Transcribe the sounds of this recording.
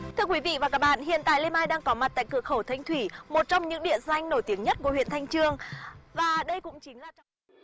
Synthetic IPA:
t̪ʰɨ˧əkwi˨˦vḭ˧˨vaː˨˩kaː˦˥k̚ɓa̰ː˧˨nɦḭ˧˨ənt̪a̰ː˧˨jle˧mʔaː˧jɗaː˧ŋkɔ˨˦ma˨˩t̚t̪a̰ː˧˨kɨ˧˩ək̚xə˧˩wt̪ʰa˧jŋ̟t̪ʰwi˧˩mo˨˩t̚t͡ɕɔ˧wŋ͡mɲɨ̰˧˥ŋɗḭ˧˨əza˧jŋ̟no˧˩jt̪i˨˦əŋɲə˦˥t̚ku˧˩əwḭ˧˨ənt̪ʰa˧jŋ̟t͡ɕɨ˧əŋvaː˨˩ɗə˧jkʊ̰˧˥ŋ͡mt͡ɕï˨˦ŋ̟laː˨˩t͡ɕa˧˩

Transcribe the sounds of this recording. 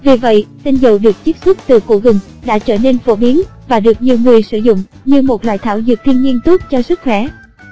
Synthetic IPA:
vi˨˩və̰˧˨jsə˧nzə˨˩wɗɨ˨˩ək̚t͡ɕi˦˥p̚sʊ˦˥k͡p̚t̪ɨ˨˩kṵ˧˩ɣʊ˨˩ŋ͡m | ɗa̰ː˧˥t͡ɕəː˧˩ne˧nfo˧˦ɓi˨˦ənvaː˨˩ɗɨ˨˩ək̚ɲi˨˩əwŋɨ˨˩əjsɨ˧˩zʊ̰˧˨ŋ͡m | ɲɨ˧mo˨˩t̚lwa̰ː˧˨jt̪ʰaː˧˩wzɨ̰˨˩t̚t̪ʰi˧ənɲi˧ənt̪o˦˥t̚t͡ɕɔ˧sɨ˦˥k̚xwɛ˧˩

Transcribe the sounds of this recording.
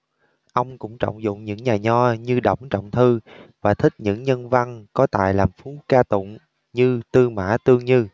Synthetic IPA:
ʔə˧wŋ͡mkʊ̰˧˥ŋ͡mt͡ɕɔ̰˧˨wŋ͡mzʊ̰˧˨ŋ͡mɲɨ̰˧˥ŋɲaː˨˩ɲɔ˧˩ɲɨ˧ɗə̰˧˩wŋ͡mt͡ɕɔ̰˧˨wŋ͡mt̪ʰɨ˧vaː˨˩t̪ʰï˦˥k̚ɲɨ̰˧˥ŋɲə˧nva˧nkɔ˨˦t̪a̰ː˧˨jlaː˨˩mfu˨˦kaː˧t̪ʊ̰˧˨ŋ͡m | ɲɨ˧t̪ɨ˧ma̰ː˧˥t̪ɨ˧əŋɲɨ˧

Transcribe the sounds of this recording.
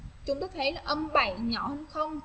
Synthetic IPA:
t͡ɕʊ˨˦ŋ͡mt̪oː˨˦t̪ʰe˧˩laː˨˩ʔə˧mɓa̰˧˨jɲɔ˧˩hə˧ŋxə˧wŋ͡m

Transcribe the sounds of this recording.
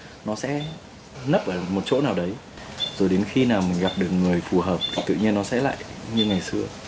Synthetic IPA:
nɔ˨˦sɛ̰˧˥ | nə˦˥p̚ʔəː˧˩mo˨˩t̚t͡ɕo̰˧˥naː˨˩wɗə˨˦j | zo˨˩jɗe˨˦nxi˧naː˨˩wmï˨˩ŋ̟ɣa˨˩p̚ɗɨ˨˩ək̚ŋɨ˨˩əjfu˨˩ɦəː˨˩p̚tʰi˨˩t̪ɨ̰˧˨ɲi˧ənːɔ˨˦sɛ̰˧˥la̰ː˧˨jɲɨ˧ŋa˨˩jsɨ˧ə

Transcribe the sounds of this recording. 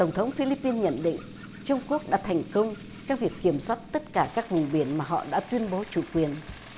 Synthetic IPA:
t̪ə˧˩wŋ͡mt̪ʰə˨˦wŋ͡mfi˧li˧˥pːi˧nɲə̰˧˨nɗḭ˧˨ŋ̟ | t͡ɕʊ˧wŋ͡mku˦˥ək̚ɗa̰ː˧˥t̪ʰɛ˨˩jŋ̟kə˧wŋ͡m | t͡ɕɔ˧wŋ͡mvi˨˩əkːi˧˩əmswa˦˥t̚t̪ə˦˥t̚kaː˧˩kaː˦˥k̚vʊ˨˩ŋ͡mɓi˨˧˩ənmaː˨˩ɦɔ̰˧˨ɗa̰ː˧˥t̪wi˧ənɓo˨˦t͡ɕu˧˩kwi˨˩ən

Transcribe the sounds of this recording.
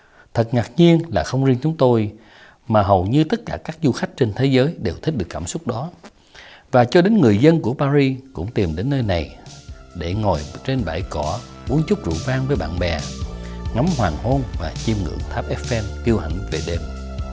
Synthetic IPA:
t̪ʰə˨˩t̚ŋaː˨˩k̚ɲi˧ənlaː˨˩xə˧wŋ͡mzi˧ənt͡ɕʊ˨˦ŋ͡mt̪o˧j | maː˨˩ɦə˨˩wɲɨ˧t̪ə˦˥t̚kaː˧˩kaː˦˥k̚zu˧xa˦˥k̟̚t͡ɕe˧nt̪ʰe˨˦zəː˨˦jɗe˨˩wt̪ʰï˦˥k̚ɗɨ˨˩əkːaː˧˩msʊ˦˥k͡p̚ɗɔ˨˦ | vaː˨˩t͡ɕɔ˧ɗe˨˦nŋɨ˨˩əjzə˧nku˧˩əpaː˧ɾi˧kʊ̰˧˥ŋ͡mt̪i˨˩mɗe˨˦nːəː˧jna˨˩jɗe˧˩ŋɔ˨˩jt͡ɕe˧nɓa̰ː˧˩jkɔ˧˩ɓu˨˦nt͡ɕʊ˦˥k͡p̚zṵ˧˨vaː˧ŋvəː˨˦jɓa̰ː˧˨nɓɛ˨˩ŋa˨˦mhwaː˨˩ŋho˧nvaː˨˩t͡ɕi˧mŋɨ̰˧˩˨əŋt̪ʰaː˦˥p̚ʔɛ˦˥pfɛ˧nk̪i˧əwha˧˩jŋ̟ve˨˩ɗe˧m

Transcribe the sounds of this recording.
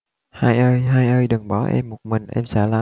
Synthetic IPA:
haː˧jʔəː˧jɦaː˧jʔəː˧jɗɨ˨˩ŋɓɔ˧˩˦ʔɛ̰˧mːo˨˩t̚mï˨˩ŋ̟ʔɛ˧msɛ̰˧˥laː˨

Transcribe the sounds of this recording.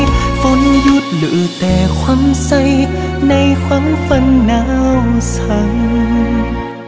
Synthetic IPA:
fo˧˥nju˧˥t̪̚lɨ̰ː˧˩t̪ɛː˨˩kʰwaː˧˥msa˧j | na˧jkʰwaː˧˥ŋfa˧nːaː˧˥wsʰa˧˩ŋ

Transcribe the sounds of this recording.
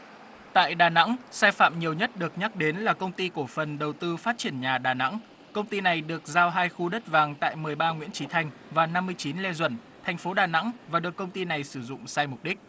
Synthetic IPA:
t̪a̰ː˧˨jɗaː˨˩na̰˧˥ŋsaː˧jfa̰ː˧˨mɲi˨˩əwɲə˦˥t̚ɗɨ˨˩ək̚ɲa˦˥k̚ɗe˨˦nlaː˨˩kə˧wŋ͡mt̪i˧ku˧˩əfə˨˩nɗə˨˩wt̪ɨ˧faː˦˥t̚t͡ɕi˧˩ənɲaː˨˩ɗaː˨˩na̰˧˥ŋ | kə˧wŋ͡mt̪i˧na˨˩jɗɨ˨˩ək̚zaː˧wɦaː˧jxu˧ɗə˦˥t̚vaː˨˩ŋt̪a̰ː˧˨jmɨ˨˩əjɓaː˧ŋwḭ˧˥ənt͡ɕi˨˦t̪ʰa˧jŋ̟vaː˨˩na˧mːɨ˧əjt͡ɕi˨˦nlɛ˧zwə̰˧˩n | t̪ʰa˨˩jŋ̟fo˨˦ɗaː˨˩na̰˧˥ŋvaː˨˩ɗɨ˨˩əkːə˧wŋ͡mt̪i˧na˨˩jsɨ˧˩zʊ̰˧˨ŋ͡msaː˧jmʊ˨˩k͡p̚ɗï˦˥k̟̚

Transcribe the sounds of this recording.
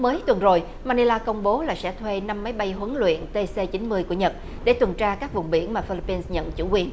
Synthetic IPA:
məː˨˦jt̪wə˨˩nzo˨˩j | maː˧ni˧laː˧kə˧wŋ͡mɓo˨˦laː˨˩sɛ̰˧˥t̪ʰwe˧na˧mːa˨˦jɓa˧jɦwə˨˦ŋlwḭ˧˨ənt̪e˧se˧t͡ɕï˨˦nmɨ˧əjku˧˩əɲə˨˩t̚ | ɗe˧˩t̪wə˨˩nt͡ɕaː˧kaː˦˥k̚vʊ˨˩ŋ͡mɓḭ˧˩ənmaː˨˩fi˧li˧pːi˧nsɲə̰˧˨nt͡ɕṵ˧˩kwi˨˩ən

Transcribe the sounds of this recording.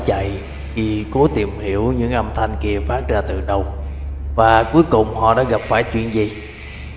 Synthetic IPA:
t͡ɕa̰˧˨j | ki˨˩ko˨˦t̪i˨˩mhi˧˩˨əwɲɨ̰˧˥ŋʔə˧mt̪ʰa˧jŋ̟ki˧əfaː˦˥t̚zaː˧t̪ɨ̰˨˩ɗə˧wvaː˨˩ku˨˦əjkʊ˨˩ŋ͡mhɔ̰˧˨ɗa̰ː˧˥ɣa˨˩p̚faː˧˩jt͡ɕwḭ˧˨ənzi˨˩

